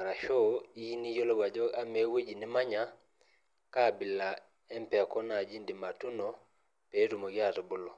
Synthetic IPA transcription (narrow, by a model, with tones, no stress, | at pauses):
ɾa˨ʃɔ˦i˦ni˦jo˦lo˦ɡa˨d͡ʒɔ˦a˦me˦we˦d͡ʒi˨nɪ˦ma˦ɲa˦ | ka˦˨bɪ˨la˨ | ɛ˦mpɛ˨a˨kɔ˦na˨d͡ʒi˦ndi˨ma˨tu˦no˨ | pe˨˦ɾu˨mo˨ɡɪ˦a˦˨tɔ˨bʊ˦lo˨